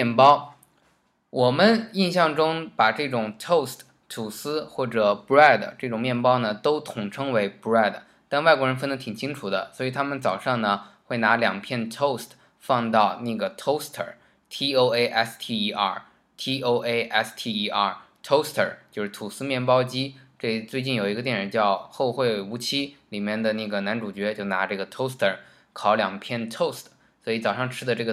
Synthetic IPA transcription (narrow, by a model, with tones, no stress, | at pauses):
ɛ˥˩npɑ˥ʊ | wɔ˨˩mə˦ni˥˧nɕjɑ˥˩ŋʈ͡ʂʊ˥ŋpa˨˩ʈ͡ʂɤ˥˩ʈ͡ʂʊ˨˩ŋt̪ʰo˥˩ʊst | t̪ʰu˨˩sɹ̩˥xwɔ˥˩ʈ͡ʂɤ˨˩pɛ˥˩d̪ə˩ʈ͡ʂɤ˥˩ʈ͡ʂʊ˨˩ŋmjɛ˥˩npɑ˥ʊnə˨t̪o˥ʊt̪ʰʊ˨˩ŋʈ͡ʂʰɤ˥ŋwe˧˥ɪpɹɛ˥˩d̪ | t̪a˥˧nwa˥˩ɪkwɻə˧˥nfə˥nd̪ə˧˥t̪ʰi˨˩ŋt͡ɕʰi˥ŋʈ͡ʂʰu˨˩d̪ə̰˦swɔ˧˥i˨˩t̪ʰa˥mə˨nt͡sɑ˨˩ʊʂɑ˥˩ŋnə˩xwe˥˩ɪna˧˥ljɑ˨˩ŋpʰjɛ˥˩nt̪ʰo˥˩ʊst̪ʰ | fɑ˥˧ŋt̪ɑ˥˧ʊna˥˩ɡə˩t̪ʰo˥ʊst̪ʰə̰˨˩ | t̪ʰi˥o˥ʊe˥ɪʔɛ˥st̪ʰi˥ʔɐ̰˥˩ | t̪ʰi˥ʔo˥ʊʔe˥ɪʔɛ˥st̪ʰi˥˩i˧˥ʔa˥˧˩ | t̪ʰo˥ʊst̪ʰə̰˨˩t͡ɕjo˥˧ʂɻ̩˥˩t̪ʰu˨˩sɹ̩˥mjɛ˥˩npɑ˥ʊt͡ɕi˥ʈ͡ʂe˥˩t͡swe˥˧ɪt͡ɕi˥˩njo˨˩ʊi˧˥ɡə˧t̪jɛ˥˩nɻə˧˥nt͡ɕjɑ˥˧ʊxo˥˧ʊxwe˥˩ɪu˧˥t͡ɕʰi˥li˨˩mjɛ˥˩nd̪ə˩na˥˩ɡə˩na˧˥nʈ͡ʂu˨˩t͡ɕɥɛ˧˥t͡ɕjo˥˩ʊna̰˧˥ʈ͡ʂɤ˥˩ɡə˩t̪ʰo˥ʊst̪ʰə˨˩ | kʰɑ˧˩ʊljɑ̰˨˩ŋpʰjɛ˥˩nt̪ʰo˥˩ʊst̪ | swɔ˧˥i˧˥t͡sɑ˨˩ʊʂɑ˥˧ŋʈ͡ʂʰɻ̩˥d̪ə˧ʈ͡ʂɤ˥˩ɡə˩